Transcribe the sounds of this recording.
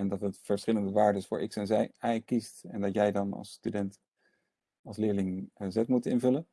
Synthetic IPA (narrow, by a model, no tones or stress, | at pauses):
ɛndɑtətfəɹsχɪləndəʋaːɹdəsfʊ̰ːɹʔɪ̰ksɛnzɛjɛjkistɛndɑtjɛjdɑnɑ̰lˠstydɛnt | ɑlˠslɪːɹlɪŋzɛtmutɪnvɵlən